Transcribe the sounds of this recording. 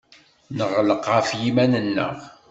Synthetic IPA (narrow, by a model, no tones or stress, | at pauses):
nəʁləqːɑfjimænənːə̰ʁ